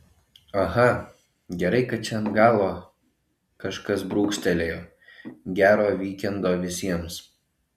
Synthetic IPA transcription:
ɐɣɐ | ɡʲɛɾɐɪkɐt̪̚t͡ʃʲɛnɡɑːlˠoː | kɐʃkɐsbɾuːksʲt̪ʲɛlʲeːjoː | ɡʲæːɾoːʋʲiːkʲɛnd̪oːʋʲɪsʲiɛms

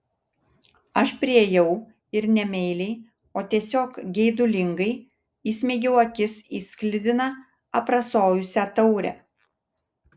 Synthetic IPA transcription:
ɐʃpʲɾʲiɛjɛʊ | ɪɾnʲɛmʲɛɪlʲɛɪ | oːt̪ʲiɛsʲoːkɡʲɛɪd̪ʊlʲɪŋɡɐɪ | iːsʲmʲɛːɡʲɛʊɐkʲɪsiːsʲklʲɪd̪ʲɪnɐ | ɐpɾɐsoːjʊsʲæt̪ɒʊɾʲɛ̰

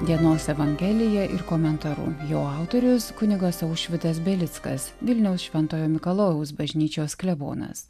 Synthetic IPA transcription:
d̪ʲiɛnoːsɛʋɐŋʲɡʲɛlʲɪjɛʔɪ̰ɾkomʲɛnt̪ɐɾṵjoːɑˑʊt̪oɾʲʊskʊnʲɪɡɐsɐʊʃʲʋʲɪt̪ɐsbʲɛlʲɪt̪skɐ̰sʋʲɪlʲnʲɛʊsʃʲʋʲɛnˑt̪oːjoːmʲɪkɐlˠoːjɛʊs̬bɐʒʲnʲiːt͡ʃʲoːsklʲɛbo̰ːnɐ̰s

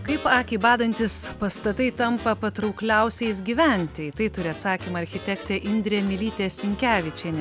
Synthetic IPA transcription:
kɐɪpɑːkʲiːbɑːd̪ɐnʲt̪ʲɪspɐst̪ɐt̪ɐɪt̪ɐmpɐpɐt̪ɾɐʊklʲɛʊsʲɛɪs̬ɡʲiːʋʲɛnʲt̪ʲɪt̪ɐɪt̪ʊɾʲɪɐt̪sɑːkʲimɐɐɾʲxʲɪt̪ʲɛkt̪ʲɛʔɪnʲd̪ʲɾʲemʲɪlʲiːt̪ʲɛsʲɪŋʲkʲæːʋʲɪt͡ʃʲɛɪnʲ

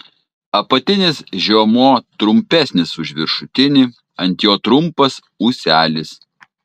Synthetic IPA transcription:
ɐpɐt̪ʲɪnʲɪsʒʲuɔmoːt̪ɾʊmʲpʲæˑsʲnʲɪsʊʒʲʋʲɪɾʃʊt̪ʲɪnʲɪ | ɐnʲt̪ʲjoːt̪ɾʊmpɐs | uːsʲæːlʲɪs

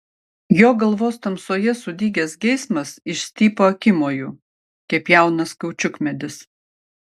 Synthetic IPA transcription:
joːɡɐlˠʋoːst̪ɐmsoːjɛsʊd̪ʲiːɡʲɛsɡʲɛɪsmɐsɪʃsʲt̪ʲiːpoːɐkʲɪmoːjuː | kʲɛpjæˑʊnɐskɐʊt͡ʃʲʊkmʲɛd̪ʲɪs

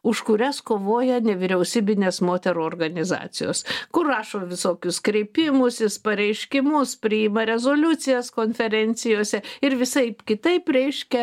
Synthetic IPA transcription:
ʊʃkʊɾʲɛskoːʋoːjɛnʲɛʋʲɪɾʲɛʊsʲiːbʲɪnʲeːsmoːt̪ʲɛɾuɔːrɡɐnʲɪzɑ̰ːt͡s̪ʲɪjo̰ːskʊrrɑːʃoːʋʲɪsoːkʲʊskɾʲɛɪpʲɪmʊsɪspɐɾʲɛɪʃʲkʲɪmʊspʲɾʲɪɪmɐɾʲɛzoːlʲʊt͡s̪ʲɪjɛskoːnʲfʲɛɾʲɛnʲt͡s̪ʲɪjoːsʲɛɪɾʋʲɪsɐɪpkʲɪt̪ɐɪpɾʲɛɪʃʲkʲɛ

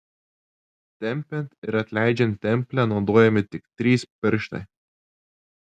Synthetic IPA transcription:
t̪ʲɛmʲpʲɛnt̪ɪɾɐt̪ʲlʲæːd͡ʒʲɛnt̪ʲɛmʲpʲlʲænɔʊd̪oːjɛmʲɪt̪ʲɪkt̪ʲɾʲiːspʲɪɾʲʃt̪ɐ̰

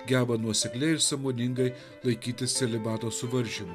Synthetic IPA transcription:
ɡʲæːbɐnuɔsʲɛklʲɛɪɪɾsɐmoːnʲɪŋɡɐɪ | lˠɐɪkʲiːt̪ʲɪsʲsʲɛlʲɪbɑːt̪oːsʊʋɐɾʲʒʲɪmʊ

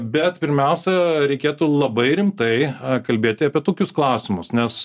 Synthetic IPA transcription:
bʲɛt̪pʲɪɾʲmʲɛˑʊsʲɛɾʲɛɪkʲeːt̪ulˠɐbɐɪɾʲɪmt̪ɐɪkɐlʲbʲeːt̪ʲɪɐpʲiɛt̪oːkʲʊsklˠɑʊsʲɪmʊsnʲɛs

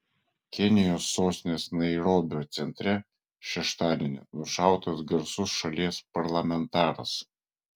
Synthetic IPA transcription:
kʲɛnʲɪjoːsːoːsʲnʲeːsnɐɪɾoːbʲoːt̪sʲɛnʲt̪ʲɾʲɛ | ʃʲɛʃt̪ɑːd̪ʲenʲɛ̰nʊʃɑˑʊt̪ɐsɡɐɾsʊsʃɐlʲiɛspɐɾlˠɐmʲɛnt̪ɑːɾɐs

